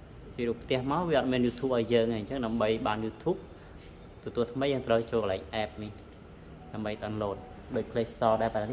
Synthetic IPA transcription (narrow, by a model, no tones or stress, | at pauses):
t͡ɕiəruːpʰt̪ɛ̆əhmaɔʋiəɑt̪̚miənjuːt̪ʰuːp̚ʔaɔjjəːŋajɲt͡ɕəŋɗaəmɓəjɓaːnjuːt̪ʰuːp̚ | t̪ɔt̪uət̪ʰməjːəːŋt̪rəwt͡ɕoːlkəlaɛk̚ʔɛɛp̚nih | ɗaəmɓəjt̪ənloːt̪̚ | ɗaːc̚pʰleːst̪ɑːɗaɛpanan